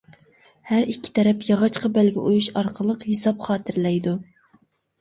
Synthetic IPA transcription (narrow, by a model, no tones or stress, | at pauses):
hæɾikʲʰːi̥t̪ʰɛɾɛpjɑʁɑt͡ʃqɑbɛlɡʲɛ̰ʔujuʃɑɾqʰəlˠəqhesɑpχɑːt̪ʰɨɾlɛjd̪u